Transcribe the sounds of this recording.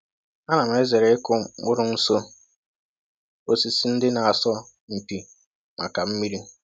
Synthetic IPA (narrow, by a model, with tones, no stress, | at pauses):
a˦na˨m̩˨e˦ze˨ɾe˨ɪ˦kʊ˦ŋʊ˦ɾʊ˦n̩˦so˦ | o˦si˦si˦n̩˦dɪ˦na˨a˨sɔ˦ | m̩˨pi˨ | ma̰˨ka˨m̩˦mi˦ɾi˦